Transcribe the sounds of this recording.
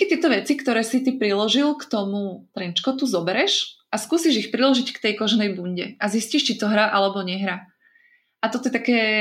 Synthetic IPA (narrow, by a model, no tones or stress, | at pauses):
kɛt̪ɪɛt̪ɔʋɛt͡sikt̪ɔɾɛːsit̪ipɾilɔʒilkt̪ɔmut̪ɾɛnt͡ʃkɔt̪uzɔbɛɾɛʃʔaskuːsiʒixpɾilɔʒickt̪ɛjkɔʒnɛjbuɲɟɛʔazisciʃt͡ʃit̪ɔɦɾaʔalɛbɔɲɛɦɾa | ʔat̪ɔt̪ɔjɛt̪akɛː